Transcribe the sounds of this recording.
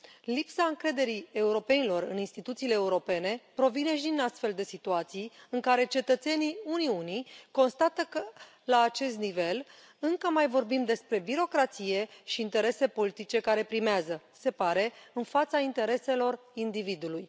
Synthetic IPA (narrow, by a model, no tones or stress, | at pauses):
lipsaɨŋkɾe̞d̪e̞ɾie̞uɾo̞pe̞nilo̞rɨ̰ninst̪it̪ut̪siːleːuɾo̞pe̞ne̞pɾo̞vine̞ʃid̪inast̪fe̞ld̪e̞sit̪uat̪sijɨŋkaɾe̞t͡ʃe̞t̪ət̪se̞niuniuniko̞nst̪at̪əkə | laːt͡ʃe̞s̬t̪nive̞l | ɨŋkəmajvo̞rbimd̪e̞spɾe̞biɾo̞kɾat̪sije̞ʃiːnt̪e̞ɾe̞se̞po̞lit̪it͡ʃe̞kaɾe̞pɾimeazə | se̞paɾe̞ɨnfat̪saint̪e̞ɾe̞se̞lo̞r | ind̪ivid̪uluj